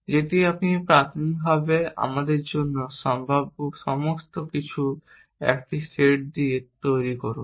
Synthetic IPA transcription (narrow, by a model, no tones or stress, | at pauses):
d͡ʑetiapnipɾat̪ʰonikɡ̚bʱabea̰mad̪eɾd͡ʑonːoʃɔmbʱabokʃɔmost̪okit͡ɕʰu | ɛ̰kʈiseʈ̚d̪iet̪ojɾikoɾun